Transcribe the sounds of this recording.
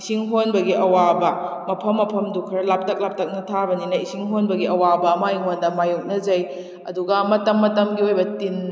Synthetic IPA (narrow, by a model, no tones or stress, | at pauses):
isiŋɦonbɐɡiʔɐwabɐ | mɐpʰɐmːɐpʰɐmdukʰɐɾɐlap̚tɐk̚lap̚tɐk̚nɐtʰabɐninɐisiŋɦonbɐɡiɐwabɐmajiŋondɐmajuk̚nɐd͡ʒɐj | ɐduɡɐmɐtɐmːɐtɐmɡiojbɐtin